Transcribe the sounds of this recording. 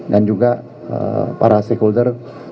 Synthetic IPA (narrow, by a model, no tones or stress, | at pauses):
dand͡ʒuɡa | ə̰pa̰ɾasɛkuldər